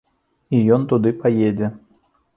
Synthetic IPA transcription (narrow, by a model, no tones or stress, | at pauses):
ijɔnt̪ud̪ɨpajed͡zʲɛ